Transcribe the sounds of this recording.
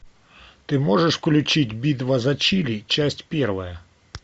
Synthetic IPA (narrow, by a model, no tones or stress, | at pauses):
t̪ɪmɔʐeʂkɔlʲʊt͡ʃɪtʲbʲid̪ʋɐzɐt͡ʃilʲit͡ʃasʲtʲpʲɛrʋɐjɐ